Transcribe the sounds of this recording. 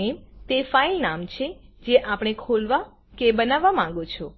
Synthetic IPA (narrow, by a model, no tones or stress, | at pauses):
emt̪efailnamt͡ʃʰed͡ʒeʔapɽ̃ekʰolʋa | kebənaʋːamãŋɡot͡ʃʰɔ